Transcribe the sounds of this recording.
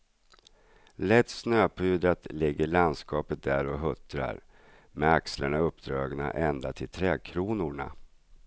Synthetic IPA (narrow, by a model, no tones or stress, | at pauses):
lɛt̪ːsnøːpʰʉ̟ːd̪ɾat̪lɪɡːəɭand̪skɑːpət̪̚d̪æɾɔɦɵt̪ɾa̰ɾ | mɛakslaɳaɵpːd̪ɾɑːɡna̰ʔɛnd̪at̪ʰɪlt̪ʰɾɛːkʰɾuːnʊɳa̰